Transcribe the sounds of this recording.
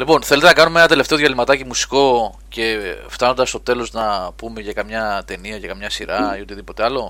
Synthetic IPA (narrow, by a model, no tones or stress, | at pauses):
lipo̞nθelet̪enɐkɐnumenɐt̪e̞le̞ft̪e̞o̞ðʝɐlimɐt̪ɐcimusi̥ko̞ | ce̞ft̪ɐno̞nd̪ɐst̪o̞t̪e̞lo̞znɐpume̞ʝɐkɐmɲɐt̪e̞niɐʝɐkɐmɲɐsiɾɐio̞t̪iðipo̞t̪e̞ɐlo̞